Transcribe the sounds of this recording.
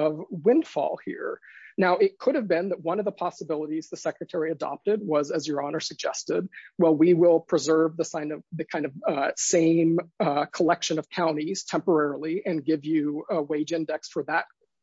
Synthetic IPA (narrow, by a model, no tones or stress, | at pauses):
ʌvwɪ̃nd̥fɔ̰lˠhḭɹnaʊʔɪt̚kʰʊɾɨvbɪ̃nðət̚wʌ̃nʌvðəpʰɑsəbɪlˠəɾizðɨsɛkɹɨtʰɛɹiɨdɑ̰p̚tɨd̚wʌzɨzjə˞ɑnə˞sɨɡ̚d͡ʒɛ̰stɪd̚wɛlˠwiwɪlˠpʰɹ̥ɨzɜ˞vðəsãɪ̃nʌvðɨkʰãɪ̃ndʌv̥sẽɪ̃mkʰəlɛkʃɨ̃nʌv̥kʰãʊ̃ɾ̃iz̥tʰɛ̃mpə˞ɛɹl̩ˠiʔɨ̃nɡɪvjʉəweɪd͡ʒɪ̃ndɛksfə˞ðət̚